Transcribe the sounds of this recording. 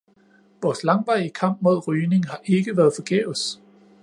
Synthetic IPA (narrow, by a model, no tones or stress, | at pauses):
ʋɒːslɑ̈ŋʋɑ̈ɪ̰əkʰɑ̈m̰b̥̚mo̝ð̞̰ˠʁyːne̝ŋɦɑ̈ʔe̝ɡ̥əʋæɐðˠfɒ̽ɡ̥ɛ̰ːʊs